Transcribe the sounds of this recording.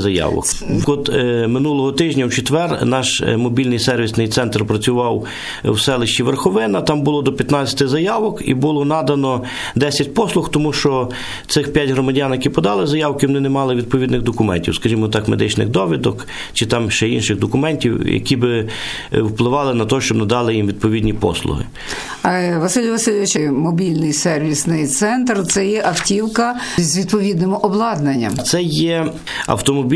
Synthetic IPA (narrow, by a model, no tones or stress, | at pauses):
zɐjɑ̰ʋɔ̰kɔt̪mɪnulˠɔɦɔt̪ɪʒʲnʲɐwt͡ʃet̪ʋɛrnɑʃmɔbʲilʲnɪjsɛrʋʲisnɪjt̪sɛnt̪rpɾɐt͡sʲʊʋɑw | wsɛlˠɪʃʲt͡ʃiʋerxɔʋɪnɐt̪ɑmbʊlˠɔd̪ɔpʲjɐt̪nɑt͡sʲɐ̥t̪ɪzɐjɑʋɔkḭbulˠɔnɑd̪ɐnɔ | d̪ɛsʲɐtʲpɔslˠʊxt̪ɔmuʃt͡ʃɔ | t̪sɪxpʲjatʲɦɾɔmɐdʲanjɐkʲipɔd̪ɑlˠɪzɐjɑwkɪwnɪnemɑlˠɪʋʲid̪̚pɔʋʲid̪nɪɣd̪ɔkʊmɛ̰nʲtʲiwskɐʒʲimɔt̪ɑkmed̪ɪt͡ʃnɪ̰xd̪ɔʋʲid̪ɔk | t͡ʃɪt̪ɑmʃɛinʃɪɣd̪ɔkʊmɛnʲtʲiwjɐ̰kʲibɪ | wplˠɪʋɑlˠɪnɐt̪ɔʃt͡ʃɔbnɐd̪ɑlˠɪjimʋʲid̪̚pɔʋʲid̪nʲipɔ̰slˠʊ̰ɦɪ̰ | ʋɐsɪlʲjʋɐsɪlʲʊʋɪt͡ʃɐjmɔbʲilʲnɪjsɛrʋʲisnɪjt̪sɛnt̪rt̪sɛjɛʔɐftʲiwkɐzʲʋʲid̪pɔʋʲid̪nɪmʊʔɔblˠɑd̪nɐnʲːɐ̰t̪sɛjɛ | ɐ̰wt̪ɔmɔbʲ